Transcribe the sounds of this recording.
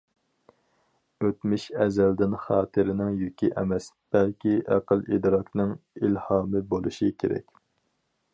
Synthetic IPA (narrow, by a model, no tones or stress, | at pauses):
øt̪mɪʃɛzæld̪ɪnχɑːt̪ʰɨɾɪnɪŋjykʲiʔɛmɛs | b̥ɛlkʲiʔæqəlˠḭd̪ɾɑknɨŋilhɑːmɨbolˠṵʃikʲʰeɾɛ̰kʲ